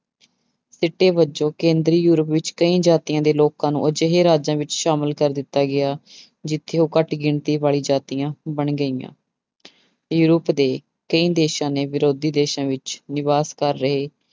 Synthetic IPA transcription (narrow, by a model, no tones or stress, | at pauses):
sɪʈːeːbət͡ʃõːkẽːnd̪ɾiːjuːɾəpʋɪt͡ʃkəĩːd͡ʒaːt̪ijãːd̪eːloːkãːnṵ̃ːəd͡ʒəɦeːɾaːd͡ʒãːʋɪt͡ʃʃaːməlkəɾd̪ɪt̪ːaːɡɪaː | d͡ʒɪt̪ʰːeːõːkəʈɡɪɳt̪iːbaːɭiːd͡ʒaːt̪ijãːbəɳɡəiːã̰ː | juːɾəpd̪eː | kəĩːd̪eːʃãːneːʋɪɾoːd̪iːd̪eːʃãːʋɪt͡ʃnɪʋaːskəɾːəɦeː